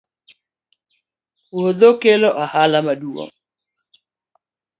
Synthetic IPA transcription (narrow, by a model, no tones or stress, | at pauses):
uhɔðɔkɛlɔʔahalamaɗuɔ̰